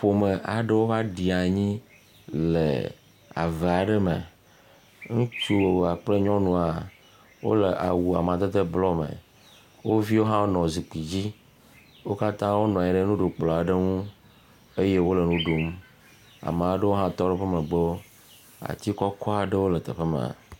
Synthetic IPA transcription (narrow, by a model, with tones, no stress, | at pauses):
ɸo˨mə˨ʔa˨ɖə˦wo˦va˦ɖi˨a˨ɲĩ˦ | lḛ˨ | a̰˨ve˨a˨ɖə˦mḛ˨ | ŋũ˦t͡ʃu˦wo˨wa˨k͡ple˦ɲɔ̃˦nũ˨a˨ | wo̰˦le˨ʔa̰˨wu˨a˨mã˨t̪e˦t̪ə˦blɔ˦mḛ˨ | wo˦vi˦wo˦ɦã˦wo˦nɔ̃˨zi˨k͡pi˨d͡ʑi˦ | wo˦ka˦t̪ã˦wo˦nɔ̃˨a˨ɲĩ˨ɖe˦nũ˦ɖo˨k͡plɔ˨a˨ɖe˦ŋũ˦ | e˦je˦wo˦le˨nũ˦ɖo˨m | a̰˨m̃˨˦ɖə˦wo˦ɦã˦t̪ɔ˦ɖe˦ɸə˦mẽ˨ɡ͡be˦wo˦ | a̰˨t̪i˦kɔ˦kɔ˦a˨ɖə˦wo˦lə˨t̪ḛ˨ɸe˦mḛ̃˨a̰˨